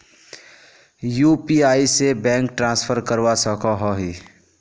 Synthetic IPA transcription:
juːpiaːisebɛ̃ːŋk̚ʈɾãːspʰəɾkəɾwasəkaɦɔɦi

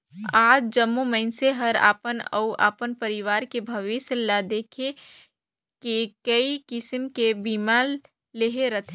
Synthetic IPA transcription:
aːd͡ʒd͡ʒəmːuməɪnseɦɐɾa̰ːpənə̰uʔa̰ːpənpəɾɪʋaːɾkebʱɐʋɪslad̪eːkʰe | kekəikɪsmkebiːmaːl | leɦeɾɐt̪ʰe

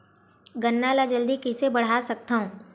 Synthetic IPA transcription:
ɡənːalad͡ʒəld̪ikɪsebɐɽ̤aːsɐk̚t̪aɦũː

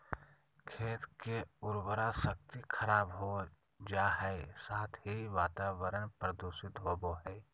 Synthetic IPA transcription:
kʰeːt̪keʊɾwəɾasək̚t̪ikʰəɾaːbɦo | d͡ʒaːɦɛesaːt̪ʰɦiʋaːt̪aːʋəɾənpɾəd̪uʃɪt̪ɦoːboɦɛː

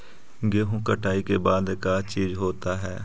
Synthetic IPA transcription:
ɡeːɦũːkəʈaːikeːbaːd̪kaːt͡ʃiːd͡ʒɦoːt̪aːɦɛː

